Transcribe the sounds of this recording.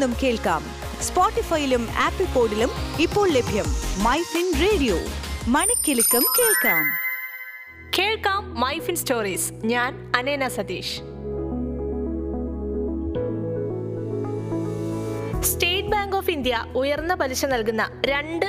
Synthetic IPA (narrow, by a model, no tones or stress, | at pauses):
umke̞ːɭka̰ːm | spoːʈːifɐjiluma̰ːpːipːoːɖilumipːo̞ːɭlebʱjɐmːɐjfinreːɽijo̰ːmɐɳɐkʲːilukːɐmkeːɭkaːm | ke̞ːɭkaːmːɐjfinstoːriːs | ɲaːn | ɐneːnɐsɐd̪iːʂ | sʈeːʈ̚baːŋɡoːfind̪jɐujɐrnːɐbɐliɕɐnɐlk̬unːɐɾe̞ɳɖɨ